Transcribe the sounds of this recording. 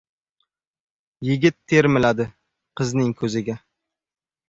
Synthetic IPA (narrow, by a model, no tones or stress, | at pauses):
jɪɡʲɪt̪ʰːe̞ɾmɪlad̪ɪ | qʰɨznɪŋkʲʰɵzɪɡʲa